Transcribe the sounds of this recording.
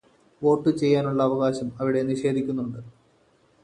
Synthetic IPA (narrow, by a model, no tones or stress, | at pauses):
o̞ːʈːɨt͡ɕe̞jːaːnuɭːɐːʋɐɣaːɕɐmɐʋiɽe̞niʂe̞ːd̪ʱikʲːunːuɳɖɨ